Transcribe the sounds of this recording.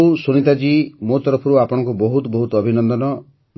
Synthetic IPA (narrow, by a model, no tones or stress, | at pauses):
usuɽ̃it̪ad͡ʒimot̪ɔɾɔpʰɔɾuapɔɽ̃ɔ̃ŋkubɔɦut̪ɔbɔɦut̪ɔɔbʱinɔnd̪ɔnɔ | n